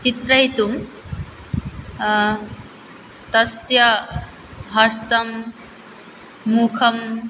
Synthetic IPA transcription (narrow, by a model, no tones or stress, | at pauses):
t͡ʃit̪ɾɐɦit̪um | t̪ɐsjɐ | ɦɐst̪ɐm | ukʰɐm